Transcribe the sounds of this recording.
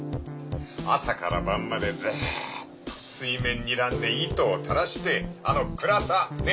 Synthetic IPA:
a̰saka̰ɾa̰bãmːad̪e̞d͡ze | psɨimẽ̞ɲ̟ːiɾãnd̪eit̪oːt̪ʰaɾaɕi̥t̪e̞ano̞kɯ̟ɾasane

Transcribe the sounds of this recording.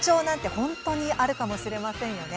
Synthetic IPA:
t͡ɕo̞ːnãnt̪e̞hõ̞nt̪oɲ̟iʔaɾɯ̟kamo̞ɕiɾe̞masẽ̞ɰ̃jo̞ne̞

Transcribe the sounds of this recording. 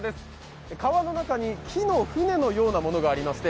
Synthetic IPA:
d̪esɨ̥ | ekaβano̞nakaɲ̟ikʲʰino̞ɸɯ̟ne̞no̞jo̞ːnamo̞no̞ɡaːɾʲimasi̥t̪e

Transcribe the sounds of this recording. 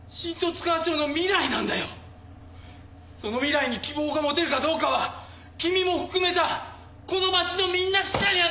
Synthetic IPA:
ɕĩnt̪o̞t͡sɨ̥kaβasoːno̞mʲiɾainãnd̪ajo̞ | so̞no̞mʲiɾaiɲ̟ikʲibo̞ːɡamo̞t̪e̞ɾɯ̟kad̪o̞ːkaβa | kʲimʲimo̞ɸɯ̟̥kɯ̟me̞t̪a | ko̞no̞mat͡ɕino̞mʲĩnːaɕiɾaɲʲia

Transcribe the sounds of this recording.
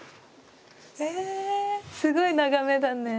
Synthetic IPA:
e | sɯɡɯinaɡamedanːe

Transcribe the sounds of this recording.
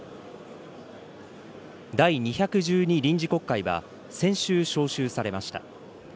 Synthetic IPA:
d̪aiɲ̟içakɯ̟ʑɨːɲ̟iɾʲĩɲ̟d͡ʑiko̞kːaiβa̰ | sẽ̞ɰ̃ɕɨːɕo̞ːɕɨːsaɾe̞maɕi̥t̪a̰

